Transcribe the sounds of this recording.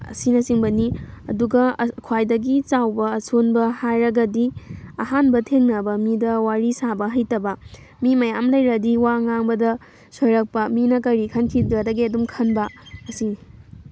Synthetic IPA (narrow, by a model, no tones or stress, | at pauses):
ɐ̰sinɐsiŋbɐniɐ̰duɡɐkʰwajdɐɡit͡ʃawbɐːsʰonbɐhajɾɐɡɐdiɐhanbɐtʰeŋnɐbɐmidɐwaɾisabɐɦɐjtɐbɐ | mimɐjamlɐjɾɐdiwaŋaŋbɐdɐ | sojɾɐk̚pɐminɐkɐɾikʰɐnkʰiɐdɐɡiɐdumkʰɐnbɐːsi